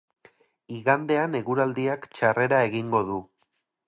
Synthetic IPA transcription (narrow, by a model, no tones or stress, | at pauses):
iɣand̪e̞ane̞ɣuɾald̪iakt͡ʃare̞ɾae̞ɣiŋɡo̞ðu